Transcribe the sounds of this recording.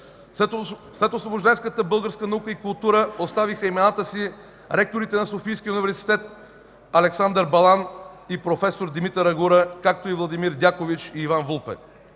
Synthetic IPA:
slɛt̪osvoboʒd̪ɛnskət̪əbɤlˠɡəɾskənɐukəikulˠt̪uɾəost̪avixəimɛnat̪əsi | ɾɛk̚t̪oɾit̪ɛnɐsofijskʲiunivɛɾsi̥t̪ɛt̪ | ɐlɛksand̪əɾbɐlˠanipɾofɛsoɾd̪imit̪əɾɐɡuɾəkak̚t̪oivlˠɐd̪imiɾd̪ʲakovit͡ʃiːvanvulˠpɛ̰

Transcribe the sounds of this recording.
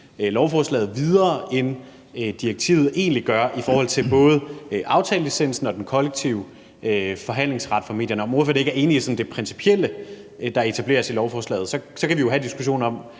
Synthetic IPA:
lɒʊfɒːslɛ̰ːð̩ˠʋið̞ˠɐːen | d̥ieɡ̥̚t͡sʰḭːʊð̞̩ˠe̝̰ːnliɡ̥ɶɐʔifɒːhɒ̽l̰t͡sʰe̝lb̥ɔ̽ːð̞̩ˠʔɑ̈ʊt͡sʰɛ̰ːləisen̰̩sn̩ɒ̽d̥enkʰɒ̽leɡ̥̚t͡sʰiʊ | øfɒ̽ɦæn̰le̝ŋsʁɑ̈d̥fɑ̈me̝̰djɐnəɒ̽mofelˠe̝ɡ̥æɐe̝ːnisɒ̽n̩d̥e̝pʰʁɛnsi̥pʰiel̰ə | d̥ɑ̈e̝t͡sʰæb̥le̝ːɐsilɒʊfɒːslɛ̰ːð̩ˠsɒ̽sɒ̽kʰæʋijo̝ɦæd̥isɡ̥uɕo̝̰ːnɒ̽m

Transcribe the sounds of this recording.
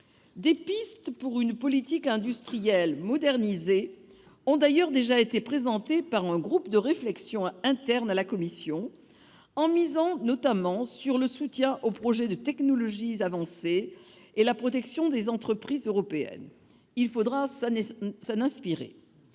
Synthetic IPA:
d̪epist̪puʁynpɔlit̪ikɛ̃d̪yst̪χijɛlmɔd̪ɛʁnize | ɔ̃d̪ajœʁd̪eʒaet̪epχezɑ̃t̪epaʁɛ̃ɡʁupd̪əʁeflɛksjɔ̃ɛ̃t̪ɛʁnalakɔmisjɔ̃ | ɑ̃mizɑ̃nɔt̪amɑ̃syʁləsut̪jɛ̃ʔopχɔʒɛd̪ət̪ɛknɔlɔʒiavɑ̃se | elapχɔt̪ɛksjɔ̃d̪ezɑ̃t̪χəpχizøʁɔpeɛ̰n | ilfod̪ʁassanɛ̃spiʁḛ

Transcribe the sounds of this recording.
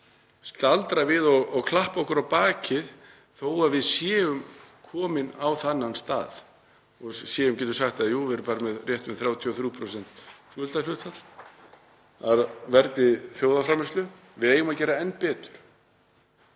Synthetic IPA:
st̪alt̪ɾavɪðɔɣɔɣkʰlahpɔhkʏɾawpaːcɪð | θoːwaðvɪðsjɛːʏmkʰɔːmɪnawθanːanst̪a̰ːð | ɔɣsjɛːʏmcɛːt̪ʏɾ̥saxt̪aðjuːvɪɛɾʏmpaːɾɪmɛðrjɛht̪mɛθɾaːwt̪ʰiɔθɾjuːpʰɾɔsɛn̥t̪sœːlt̪afʏht̪fat̪l̥ | aɾvɛɾknɪðθjoːwðafɾaːmɛslʏ | vɪðeːjʏmacɛːɾaɛnːpɛːt̪ʏ̥ɾ̥

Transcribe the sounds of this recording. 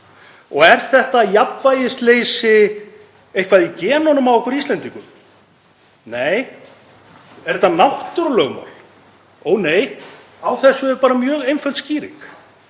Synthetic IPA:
ɔɣɛɾ̥θɛht̪ajapvajɪst̪leːjsɪ | ejhkʰvaðicɛːnɔnʏmavwɔhkvɛɾist̪ɛnt̪iŋkʏm | neːj | ɛɾɛt̪ːanawht̪ʏɾlœɣma̰wl | oːwneːj | awθɛsːʏɛɾpaːɾamjœːɣejnfœlt̪sciːɾḭk

